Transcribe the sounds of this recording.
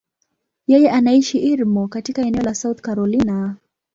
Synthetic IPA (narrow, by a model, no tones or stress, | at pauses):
jɛjɛʔanaiʃiʔiɾmɔkatikaɛnɛɔlasauθkaɾɔlina